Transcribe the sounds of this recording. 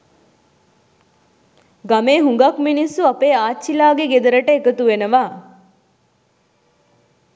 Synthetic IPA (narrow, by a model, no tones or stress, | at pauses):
ɡameːɦuŋɡakminisːuapeːaːt͡ʃːilaːɡeɡed̪əɾəʈəekət̪uʋenəʋaː